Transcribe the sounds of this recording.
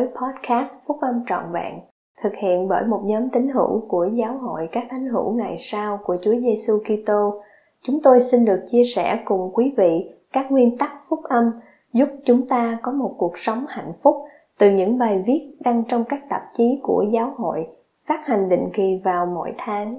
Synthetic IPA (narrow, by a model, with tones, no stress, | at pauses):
ə˨˦jpʰɔ˦˥t̚kaː˦˥st̚fʊ˦˥k͡p̚ʔə˧mt͡ɕɔ̰˧˨nva̰ː˧˨n | t̪ʰɨ˨˩k̚hḭ˧˨ənɓəː˧˩jmo˨˩t̚ɲɔ˨˦mt̪ï˨˦ŋ̟ɦɨ̰˧˥˨wku˧˩əzaː˨˦wɦo̰˧˨jkaː˦˥k̚ʔa˨˦jŋ̟ɦɨ̰˧˩wŋa˨˩jsaː˧wku˧˩ət͡ɕu˨˦əze˧su˧ki˧t̪o˧ | t͡ɕʊ˨˦ŋ͡mt̪o˧jsi˧nɗɨ˨˩ək̚t͡ɕi˧əsɛ̰˧˩kʊ˨˩ŋ͡mkwi˨˦vḭ˧˨kaː˦˥k̚ŋwi˧ənt̪a˦˥k̚fʊ˦˥k͡p̚ʔə˧m | zʊ˦˥p̚t͡ɕʊ˨˦ŋ͡mt̪aː˧kɔ˨˦mo˨˩t̚ku˨˩ək̚sə˨˦wŋ͡mha̰˧˨jŋ̟fʊ˦˥k͡p̚ | t̪ɨ˨˩ɲɨ̰˧˥ŋɓaː˨˩jvi˦˥ət̚ɗa˧ŋt͡ɕɔ˧wŋ͡mkaː˦˥k̚t̪ə˨˩p̚t͡ɕi˨˦ku˧˩əzaː˨˦wɦo̰˧˨j | faː˦˥t̚ha˨˩jŋ̟ɗḭ̈˧˨ŋ̟ki˨˩vaː˨˩wmo̰˧˩jt̪ʰaː˨˦ŋ